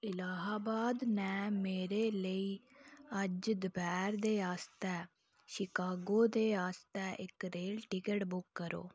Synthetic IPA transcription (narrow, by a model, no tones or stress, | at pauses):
ɪlaːɦaːbaːd̪nɛ̃ːmeːɾeːləiːəd͡ʒd̪əbɛːɾd̪eːaːst̪ɛː | ʃɪkaːɡoːd̪eːaːst̪ɛːʔɪkɾeːlʈɪkəʈbʊkːəɾo̰ː